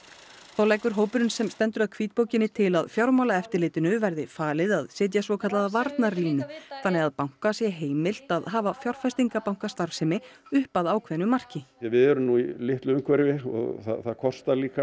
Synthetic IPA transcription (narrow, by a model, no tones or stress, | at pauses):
θawlɛjkʏɾ̥ɦoːwpʏɾʏnsɛmst̪ɛnt̪ʏɾaðkʰviːt̪̚poːwcɪnːɪt̪ʰɪlaðfjawɾmawlaɛft̪ɪɾleːt̪ɪnʏvɛɾðɪfaːlɪðaðsɛːt̪̬jasvɔkʰat̪laðavaɾt̪nariːnʏθanːɛɣaðpawŋ̥kasjɛɦeːjmɪl̥t̪aðɦaːvafjawr̥fajst̪iŋkapawŋ̥kast̪aɾ̥fsɛmɪʏhpaðaːwkʰvɛnʏmar̥cɪjɛvɪðɛɾʏnuːilɪht̪lʏʏmkʰvɛɾɪvɪɔ̰ɣθa̰θakʰɔst̪aliːka